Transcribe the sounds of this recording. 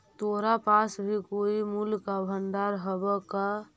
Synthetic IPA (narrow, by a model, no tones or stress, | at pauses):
t̪oɾapasbʱikoːimulkabʱənd̪aɾɦəbɛka